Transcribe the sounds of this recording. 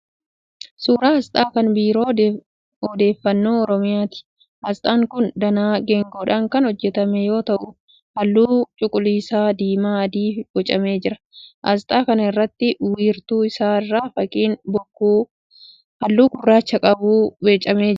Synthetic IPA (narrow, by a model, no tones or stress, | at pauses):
suːɾaːɐst̪ʼaːkɐnbiːɾoː | ɔd̪e̞ːfːɐnːo̞ːɔɾɔmɪjaːt̪ɪ̥ | ʔɐst̪ʼaːŋkʊnd̪ɐnaːɡɛŋɡoːᶑaːŋkɐnhɔd͡ʒːɛt̪ɐmɛjo̞ːt̪ɐʔʊ | hɐlːuːt͡ʃʼʊkʼʊliːsaːd̪iːmaːɐd̪iːfɡ̥ɔt͡ʃʼɐme̞ːd͡ʒɪɾɐ | ʔɐst̪ʼaːkɐnɐɪrːɐt̪ːɪwiːɾt̪uːɪsaːɪrːaːfɐkʼiːnbɔkːuː | hɐlːuːɡʊrːaːt͡ʃːɐkʼɐbuːbet͡ʃʼɐme̞ː